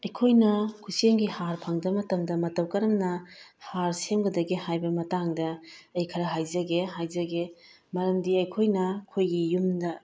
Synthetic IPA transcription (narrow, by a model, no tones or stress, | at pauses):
ɐjkʰojnɐkʰuseŋɡihaɾpʰɐŋdɐmɐtɐmdɐmɐtɐwkɐɾɐmnɐhaɾsemɡɐdɐɡihajbɐmɐtaŋdɐːjkʰɐɾɐɦajzɐɡeɦajzɐɡe | mɐɾɐmdiɐjkʰojnɐkʰojɡijumdɐ